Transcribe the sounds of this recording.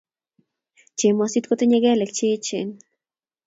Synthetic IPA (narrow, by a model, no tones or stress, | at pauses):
t͡ʃimosit̪kot̪iɲeɡelekt͡ʃit͡ʃin